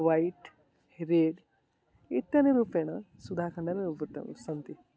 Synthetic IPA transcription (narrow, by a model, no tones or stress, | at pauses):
ʋaiʈ | ɾeːɽ | it̪ːaneɾuːpeɽ̃ɐ | sud̪ʱaːkʰəɳɖaneɾupəɾt̪ɐ̰m̰sɐnt̪i